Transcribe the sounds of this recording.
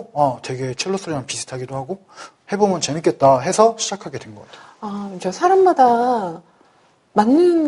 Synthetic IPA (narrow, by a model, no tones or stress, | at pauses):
atwe̞ɡe̞t͡ɕʰiɭːos͈ʰɯɾimanpisʰɯ̥tʰaɡidohaɡo | he̞bomjʌnt͡ɕenɯk͈e̞t̚t͈aɦe̞sʰʌɕʰid͡ʑakʰaɡe̞dwenɡʌk͈atʰe | amad͡ʑʌsʰaɾamːada | manːɯn